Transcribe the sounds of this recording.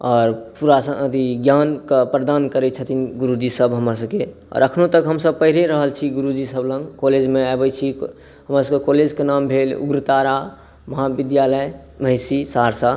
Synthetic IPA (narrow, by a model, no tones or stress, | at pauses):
ɔːɾpuɾasənəd̪iɡjankəpɾəd̪ankəɾɛt͡ʃʰət̪inɡuɾud͡ʒisəbɦəmas̬əb̚ke | ɔ̰ːɾəkʰnot̪əkɦəmsəb̚pəɦiɾeɾəɦəlt͡ʃʰiɡuɾud͡ʒisəblə̃ŋɡkoled͡ʒmeabət͡ʃʰi | ɦəmɾasəbkekoled͡ʒkenambʱelṵɡɾt̪aɾa | məɦabid̪jaləj | məɪsisaɾsa